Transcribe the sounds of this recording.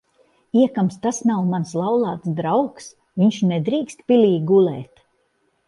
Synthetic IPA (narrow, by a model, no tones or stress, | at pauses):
iɛkamst̪asnawmanslˠawlˠɑːt̪sd̪ɾawks | viɲʃnɛd̪ɾiːkst̪pʲilʲiːɡulɛːt̪